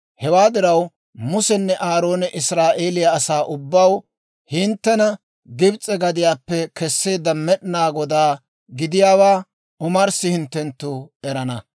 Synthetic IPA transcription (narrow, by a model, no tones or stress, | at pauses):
hɛwaːd̪ɪɾɐw | mʊsɛnːɛʔaːɾo̞ːnɛʔɪsɾaːʔeːlɪjɐːsaːʔʊbːɐw | hɪnt̪ːɛnɐ | ɡɪbt͡sʼɛɡɐd̪ɪjaːpːɛkɛsːeːd̪ɐmːɛɗɪnaːɡɔd̪aː | ɡɪd̪ɪjaːwaː | ʊmɐɾsɪhɪnt̪ːɛnt̪ːʊɛɾɐnɐ